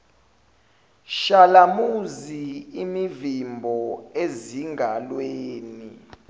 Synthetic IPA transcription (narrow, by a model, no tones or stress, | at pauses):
ʃalamuziimivimbʱɔeziŋɡʱalweːni